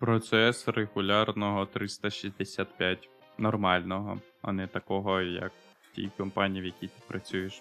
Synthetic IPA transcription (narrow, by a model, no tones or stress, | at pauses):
pɾɔt̪sɛsreɣʊlʲɑrnɔɦɔt̪ɾɪst̪ɐʃizʲd̪esʲat̪̚pʲjatʲ | nɔrmɑlʲnɔɦɔ̰ | ɐ̰nɛt̪ɐkɔɦɔjɐ̰k | tʲḭjkɔmpɑnʲijiʋjɐkʲit̪ɪpɾʔɐt͡sʲujeʃ